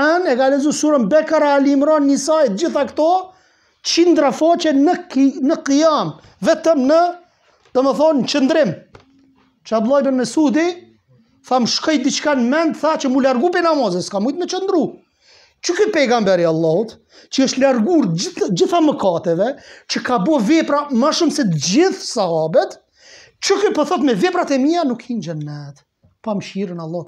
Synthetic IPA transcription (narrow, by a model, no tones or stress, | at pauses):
ɛnɛkalɛzusuɾəmbɛkaɾaːlimɾanːisaɛt̪̚d͡ʒiθakt̪ɔ | t͡ʃind̪ɾafat͡ʃɛnənəqijam | vɛt̪əmnə | d̪̥ɔmɛθɔnt͡ʃənd̪ɾɪm | t͡ʃab̪lˠajbənəsud̪i | θaməʃkɔj̚d̪it͡ʃkanmɛnd̪θat͡ʃəmulaɾɡupinamɔzɛskamujt̪mət͡ʃənd̪ɾu | t͡ʃəkəpɛɡambɛɾialˠːɔhut̪ | t͡ʃəəʃt̪laɾɡuɾd͡ʑiθaməkat̪ɛvɛt͡ʃəkabɔvɛpɾamaʃumsɛt̪əd͡ʑiθsaabɛt̪ | t͡ʃəkɛpəθɔt̪mɛvɛpɾat̪ɛmianukʰind͡ʒɛnːɛt̪ | paməʃiɾənalˠːɔh